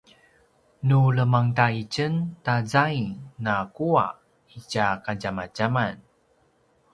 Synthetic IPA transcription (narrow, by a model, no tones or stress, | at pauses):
nuləmaŋtait͡ɕəntazajinakua̰ | icakaɟamaɟaman